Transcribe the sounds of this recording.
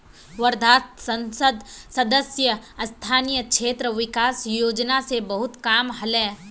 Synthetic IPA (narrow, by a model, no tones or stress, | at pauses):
ʋɐɾd̪ʱaːt̪sə̃nsəd̪sɐd̪əsjəɐst̪ʰaːnijəkʃʰeːt̪ɾəʋɪkaːsjoːd͡ʒnasebɐɦʊt̪kaːmɦɐlɛ̃ː